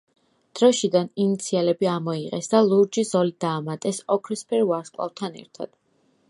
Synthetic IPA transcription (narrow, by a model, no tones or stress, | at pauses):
d̪̥ɾɔʃid̪aninit̪sʰialɛbiamɔiqʼɛsd̪alˠuɾd͡ʒizɔlid̪aːmat̪ʼɛsɔkʰɾɛspʰɛɾvaɾskʼˠa̰vt̪ʰanɛ̰ɾt̪ʰa̰d̪̥